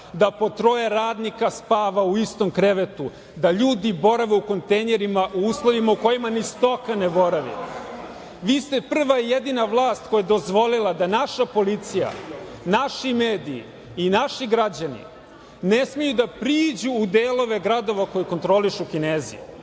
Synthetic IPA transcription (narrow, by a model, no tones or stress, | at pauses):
d̪apo̞t̪ɾo̞jeɾaːd̪nikaspaːʋauist̪o̞mkɾeʋet̪u | d̪aʎuːd̪ibo̞ɾaʋeuko̞nt̪ejneɾimaʔuuːslˠoʋimauko̞jimanist̪o̞kane̞bo̞ɾaʋḭ | ʋiːst̪epr̩ʋaijed̪inaʋlˠaːst̪̚ko̞jad̪o̞zʋo̞lilˠad̪anaʃapo̞lit̪sija̰ | naʃimeːd̪ḭː | naʃiɡɾad͡ʑanḭ | ne̞smijud̪apɾiːd͡ʑuːd̪eːlˠo̞ʋe̞ɡɾad̪o̞ʋako̞jiko̞nt̪ɾo̞liʃukineːzḭṵ